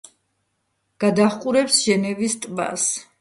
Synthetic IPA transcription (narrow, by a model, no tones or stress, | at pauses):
ɡ̥ad̪aχqʼuɾɛpsʒɛnɛvist̪ʼba̰s